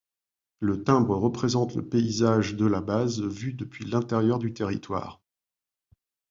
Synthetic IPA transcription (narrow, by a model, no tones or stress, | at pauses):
lət̪ɛ̃bʁəʁəpχezɑ̃t̪lə̰peizaʒd̪əlabazvyd̪əpɥilɛ̃t̪eʁjœʁd̪yt̪eʁḭt̪wa̰ːʁ